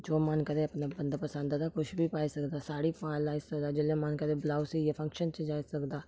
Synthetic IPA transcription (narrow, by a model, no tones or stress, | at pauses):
d͡ʒoːmaːnkɐɾẽɐpnabɐ̃nd̪pəsə̃nd̪ad̪akʊʃbʱipaːisɐkd̪asaːɽipãːlaːɪsɐkd̪ad͡ʒɪlemaːnkɐɾẽblaːwsijepʰɐ̃ŋkʃənt͡ʃəd͡ʒaːisɐkd̪aː